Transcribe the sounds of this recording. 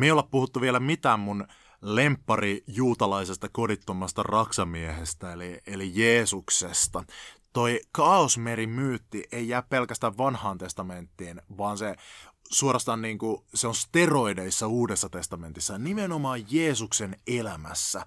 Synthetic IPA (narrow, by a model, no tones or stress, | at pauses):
meiolːeppuhut̪ːuʋielæmit̪æːmmun | lempːɑrijuːt̪ɑlɑisest̪ɑkodit̪ːomɑst̪ɑ̰rɑksɑmiehest̪æelielijeːsuksest̪ɑt̪oikɑosmeɾimyːt̪ːiʔeijæːppelkæst̪æʋʋɑnhɑːnt̪e̞st̪ɑment̪ːiːnʋɑːnsesuorɑst̪ɑnniːŋkuseonst̪eroideisːɑuːdesːɑt̪e̞st̪ɑme̞nt̪isːɑnimenomɑːjjeːsuksenelæmæ̰sːæ